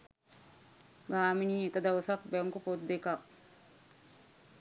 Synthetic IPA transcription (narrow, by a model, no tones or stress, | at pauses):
ɡaːminikɐd̪ɐwsak̚beŋkupot̪̚d̪ekak̚